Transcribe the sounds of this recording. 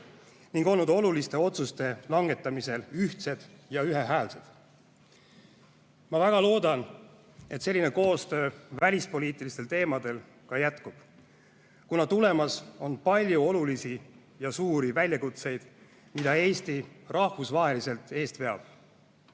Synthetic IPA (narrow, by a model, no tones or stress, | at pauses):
niŋɡ̥o̞lnud̪o̞lulist̪e̞o̞t̪sust̪e̞lɑŋɡ̥e̞t̪ːˑɑmise̞lyht̪se̞d̪̥ | jɑyɦe̞ɦæːlse̞d̪̥ | mɑvæɡ̥ɑlo̞ːd̪̥ɑn | e̞t̪se̞lʲːine̞ko̞ːst̪ø̞ːvælʲispo̞liːt̪ːˑilist̪e̞lt̪e̞ːmɑd̪̥e̞l | kɑjæt̪kub̥ | kunɑt̪ule̞mɑso̞npɑlʲjuo̞lulisi | jɑsuːɾivælʲjɑkut̪se̞jd̪̥ | mid̪̥ɑe̞ːst̪irɑhvusvɑɦe̞lise̞lt̪ˑe̞ːst̪ve̞ɑb̥